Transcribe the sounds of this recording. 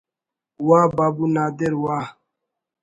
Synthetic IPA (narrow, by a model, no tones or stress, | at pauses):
wababunad̪ɪɾwa